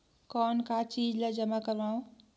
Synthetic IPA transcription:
kɔnkat͡ʃid͡ʒled͡ʒəmakəɾbaũ

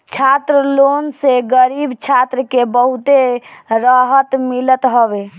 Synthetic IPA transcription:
t͡ʃʰat̪ɾəlonseɡəɾibt͡ʃʰat̪ɾəkebəɦut̪eɾəɦət̪milət̪ɦobe

